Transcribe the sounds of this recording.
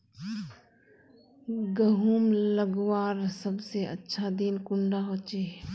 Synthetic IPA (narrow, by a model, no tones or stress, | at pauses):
ɡɐɦuːmləɡwaːɾsɐbseɐ̰tːʃʰad̪iːnkʊɳɖaɦoːt͡ʃeː